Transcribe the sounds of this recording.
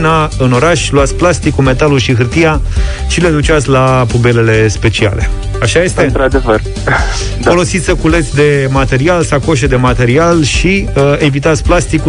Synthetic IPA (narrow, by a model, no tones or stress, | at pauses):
naɨno̞ɾaʃʲluat̪sʲplast̪ikume̞t̪alulʃiɦɨrt̪ija | ʃile̞d̪ut͡ʃiat̪sʲlapube̞le̞le̞spe̞t͡ʃia̰le̞ | aʃaje̞st̪et̪ɾad̪evər | fo̞lo̞sit̪sʲəkule̞t̪sʲd̪e̞mat̪e̞ɾialsawko̞ʃed̪e̞mat̪e̞ɾialʃiəe̞vit̪at̪sʲplast̪iku